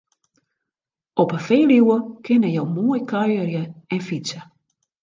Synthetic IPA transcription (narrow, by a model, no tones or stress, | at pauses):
ɔpəfeːliwəkʰɪnəjowmoːjkʰœjərjəɛnfisə